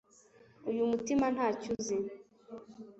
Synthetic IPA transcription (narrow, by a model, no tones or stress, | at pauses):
ujumutimanhaːcuzi